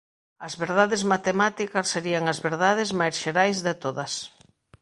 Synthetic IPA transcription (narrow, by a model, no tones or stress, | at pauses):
ɐzβeɾðaðɪzmat̪emat̪ikɐsːeɾiaŋɐzβeɾðað̞ɪzmajsʃeɾajzðɪt̪oðɐs